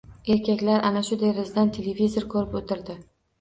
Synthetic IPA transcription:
e̞ɾkʲakʲlaɾʔanaʃʊd̪eɾɪzd̪ant̪ʰe̞levizoɾkʰɵɾɪpot̪ʰɪɾd̪ɪ

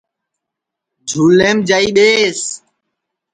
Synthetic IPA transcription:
d͡ʒʱuːlːẽːmd͡ʒaːiːɓeːs

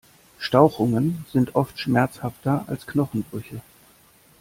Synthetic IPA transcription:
ʃtaʊxʊŋənz̥ɪntʔɔftʃmɛɐt͡shaftɐa̰lsknɔχn̩bʁʏçə

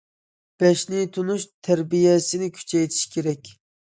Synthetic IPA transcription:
b̥ɛʃnɪt̪ʰunuʃt̪ʰæɾbijɛsɪnɪkʲʰy̥t͡ʃʰɛjt̪ʰi̥ʃkʲʰeɾɛkʲ

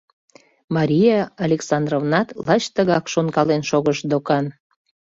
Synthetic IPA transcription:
mɑɾʲijɑɑlʲeksɑnd̪rovnɑt̪lɑt͡ɕt̪əɣɑkʃonkɑlenʃoɣəʃd̪okɑn

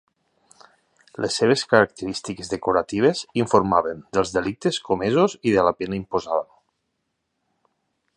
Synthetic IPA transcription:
lʔesːeβ̞eskaɾak̚t̪əɾist̪ikezðəkuɾat̪iβ̞eziɱfuɾmaβənd̪əlˠzðelik̚t̪eskomezoziðəlapenaimpozaβən

